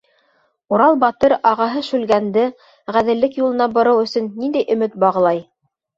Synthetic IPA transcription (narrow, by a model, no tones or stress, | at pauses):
uɾɑlˠbɑt̪ɤɾɑʁɑɦɤʃʉlɡænd̪ɘ | ʁæðɘ̆lːɘkjulˠɤ̆nɑbŏɾɤwɵ̆sɵ̆nːind̪æjʔɵ̆mɘt̪̚bɑʁɤ̆lˠɑj